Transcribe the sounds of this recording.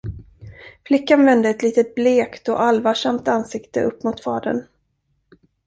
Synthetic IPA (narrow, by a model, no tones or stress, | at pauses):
flɪkːanvɛnd̪əɛt̪liːt̪ət̪̚bleːkt̪ɔ̰ʔalvaʂamt̪ansɪkt̪ə̰ʔɵpːmʊt̪fɑːd̪ə̰n